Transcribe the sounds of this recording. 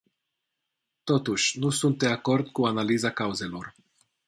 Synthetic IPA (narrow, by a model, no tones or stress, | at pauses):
t̪o̞t̪uʃʲnusunt̪̚d̪e̞ako̞rd̪kuanalizakauze̞lo̞r